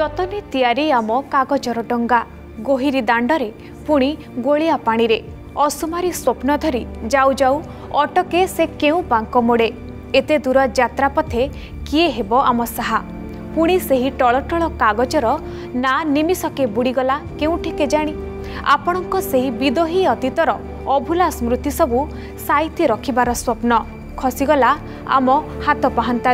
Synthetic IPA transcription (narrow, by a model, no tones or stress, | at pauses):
d͡ʒɔt̪ɔnet̪ijaɾiamɔkaɡɔt͡ʃɔɾɔɖɔŋɡa | ɡoɦiɾid̪aɳɖɔɾe | puɽ̃i | ɡoɭijapaɽ̃iɾe | ɔsumaɾiswopnɔd̪ʱɔɾid͡ʒawd͡ʒaw | ɔʈɔkesekeũbaŋkɔmoɽe | et̪ed̪uɾɔd͡ʒat̪ɾapɔt̪ʰe | kieɦebɔʔamɔsaɦa | puɽ̃iseɦiʈɔɭɔʈɔɭɔkaɡɔt͡ʃɔɾɔ | nanimisɔkebuɽiɡɔlakeũʈʰiked͡ʒaɽ̃i | a̰pɔɽ̃ɔŋkɔseɦibid̪oɦiɔt̪it̪ɔɾɔː | bʱulasmɾut̪isɔbu | sajt̪ʰiɾɔkʰibaɾɔswɔpnɔ | kʰɔsiɡɔla | a̰mɔhat̪ɔpaɦant̪a